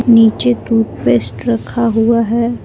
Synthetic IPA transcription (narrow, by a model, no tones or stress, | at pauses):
niːt͡ʃet̪uːt̪pesʈɾəkʰːaɦuaɦɛː